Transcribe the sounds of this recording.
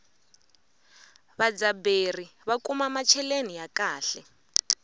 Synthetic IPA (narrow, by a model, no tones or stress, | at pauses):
βad͡zaberiβakumamat͡ʃʰɛlenijakaːɬɛ